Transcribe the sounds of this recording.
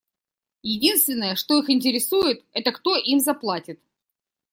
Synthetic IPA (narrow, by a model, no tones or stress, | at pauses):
jɪdʲinst̪vʲɪnːəjəʂt̪o̞ixɪnʲtʲɪɾʲɪsujɪt̪ɛt̪əkt̪o̞ʔimzɐplˠatʲɪt̪